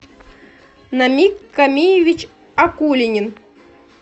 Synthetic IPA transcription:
namʲikːamʲijɪvʲit͡ɕ | akulʲɪnʲɪn

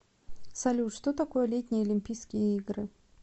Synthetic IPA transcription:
sɐlʲuʂt̪ot̪ɐko̞jəlʲet̪ʲnʲɪjɐlʲɪmʲpʲijskʲɪjəiɡɾɨ

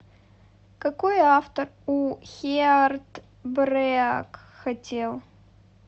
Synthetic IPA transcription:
kɐkojaft̪əruxʲeart̪ | brɛak | xɐtʲelˠ

